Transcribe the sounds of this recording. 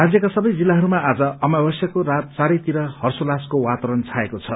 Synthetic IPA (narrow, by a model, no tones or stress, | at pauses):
rad͡zjʌkasʌbʌjd͡zilːaɦʌɾumaʔad͡zʌʌmabʌsjʌkorat̪̚t͡saɾʌjt̪iɾʌhʌrsolaskowat̪ʌɾʌnt͡sʰaekot͡sʰʌ